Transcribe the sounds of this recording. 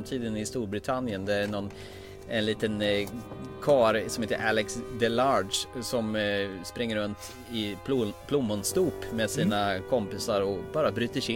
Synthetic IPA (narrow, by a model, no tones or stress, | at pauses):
mt̪ʰiːd̪ənɪst̪uːɾbɾɪt̪ʰanjənd̪ɛæɳɔn | ɛnliːt̪ən | kʰɑːɾsɔmheːt̪ːə̰ʔælɛksd̪ɛlɑɖsɔmspɾɪŋːəɾɵnt̪ | ɪpʰlʊmːɔnst̪uːpmeːd̪siːnakʰɔmpɪsaɾɔbɑːɾabɾy̟ːt̪əʂɪ